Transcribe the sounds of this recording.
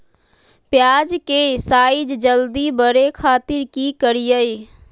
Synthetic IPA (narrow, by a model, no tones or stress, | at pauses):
pjad͡ʒkesaːid͡ʒd͡ʒəld̪ibəɾekʰaːt̪ɪɾkikəɾijəj